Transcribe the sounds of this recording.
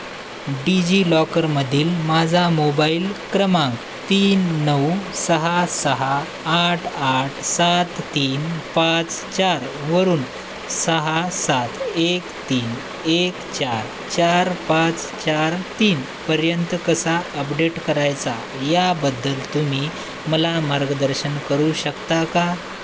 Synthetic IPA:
ɖid͡ʑilɔkəɾməd̪ʱiːlmad͡zʱamobailkɾəmãŋk | t̪iːnːəwsəɦasəɦaː | ʈʰːʈʰsat̪ːiːnpãt͡st͡ɕaɾʋəɾuːn | səɦasat̪ekt̪iːn | ekt͡ɕaɾ | t͡ɕaɾpãt͡s | t͡ɕaɾt̪iːn | pəɾjənt̪kəsaəpɖeʈkəɾajt͡sa | jabəd̪ːəlt̪um̤iː | məlamaɾɡəd̪əɾɕənkəɾuɕəkt̪aka

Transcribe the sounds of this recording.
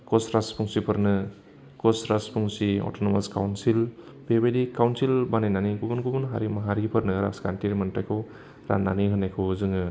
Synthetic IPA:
kɔsɾaspʰuŋsipʰɯɾnɯ | kɔsɾaspʰuŋsiɔ̰tɔnɔmaskawnsil | bebedikawnsilbanenaniɡubunɡubunɦaɾimaɦaɾipʰɯɾnɯɾa̰skanʈiɾmantajkʰɯw | ɾa̰na̰niɦɯnajkʰɔwzɯŋɯ

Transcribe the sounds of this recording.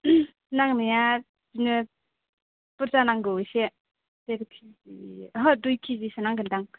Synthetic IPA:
naŋnija | zinɯ | pɯɾzanaŋɡɯwjse | teɾkʰiziɦadujkʰizisanaŋɡɯndaŋ

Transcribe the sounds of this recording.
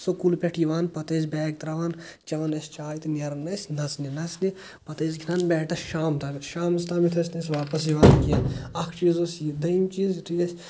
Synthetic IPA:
sokulpʲɛʈʰiʋaːnpɐt̪eːzʲbɛːk̚t̪ɾɐʋaːnt͡ʃɐʋɐnɐsʲt͡ʃaːjt̪nʲɐɾnɐsʲnɐsninɐsni | pɐt̪ezɡʱʲinɐnbɛːʈɐʃaːmt̪ɐʃaːmst̪aːmit̪ʰɐsʲnɐsʲʋaːpɐsiʋaːnkijanɐkʰt͡ʃiːzosid̪ɐimt͡ʃiːzit̪ʰujɐsʲ

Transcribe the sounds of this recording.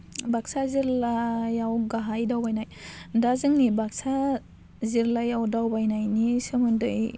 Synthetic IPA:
bak̚saziɾlajawɡaɦajdawbajnajdazɯŋnibak̚sa | ziɾlajawdawbajnajnisɯmɯndɯj

